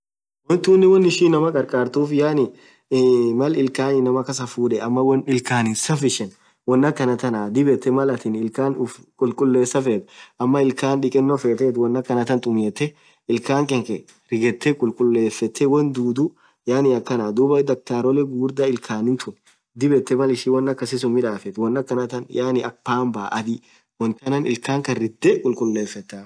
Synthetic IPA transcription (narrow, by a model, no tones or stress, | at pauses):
wɔnt̪uːnːɪwɔnːɪʃiːnːɐmɐkʼɐɾkʼaːɾt̪uːfjaːnɪ | mɐlɪlkaːnɪnɐmɐkɐsɐfuːᶑɛɐmːɐwɐnɪlkaːnɪsɐfɪʃɛn | wɔnːɐkːɐnɐt̪ɐnaːd̪ɪbɛt̪ːɛmɐlɐt̪ɪnɪlkaːnʊfkʼʊlkʼʊlːeːsːɐfeːt̪ʊ̥ʔɐmːɐɪlkaːnᶑɪkʼɛnːɔfeːt̪eːt̪wɔnːɐkːɐnɐt̪ɐnt̪ʼʊmjeːt̪ːɛ | ɪlkaːŋkʼɛŋkʼɛ | ɾɪɡɛt̪ːɛkʼʊlkʼʊlːe̞ːfːɛt̪ʰːɛwɔnd̪uːd̪ʊ | jaːnɪɐkːɐnaːd̪uːbɐd̪ɐk̚t̪aːɾɔlɛɡuːɾd̪ɐɪlkʰaːnɪt̪ʊn | d̪ɪbɛt̪ːɛmɐlɪʃɪwɔnːɐkːɐsɪsʊmːɪᶑaːfɛt̪wɔnːɐkːɐnɐt̪ɐnjaːnɪʔɐk̚paːmbaːʔɐd̪ɪ | wɔnt̪ɐnɐnɪlkaːŋkɐɪd̪ːɛkʼʊlkʼʊlːeːfːɛt̪ːaː